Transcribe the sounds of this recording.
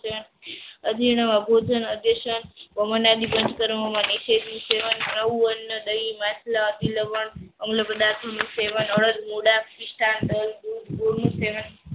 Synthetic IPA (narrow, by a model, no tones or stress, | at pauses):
ən | əd͡ʒ̪ʱiɳ̃əʋabʱod͡ʒənəd̪əʃənpəmənad̪ibənd͡ʒkəɾməmãniʃed̪nũseʋənnəʋuənːəd̪əimaslaəd̪iləʋəɳəmləpəd̪at̪ʰənũseʋənəɭəd̪muɽafpiʃʈʰand̪əld̪ud̪ʱboɾnũseʋən